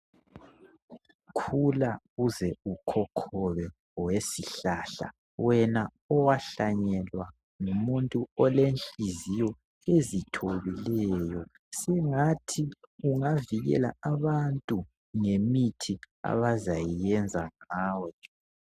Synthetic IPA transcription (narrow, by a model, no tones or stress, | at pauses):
kʰulaɣuzɛukʰɔkʰɔβɛ | wesiɬaɬa̰ | wɛna | ɔwaɬaɲɛlwa | ŋumuntʼuɔlenɬʼizijɔ | ezitʰoβilɛjɔ | sɛŋatʰiuŋaviɣɛ̰la̰aβantʼu | ŋemitʰi | a̰βazajijɛnd͡zʱaŋaːwɛ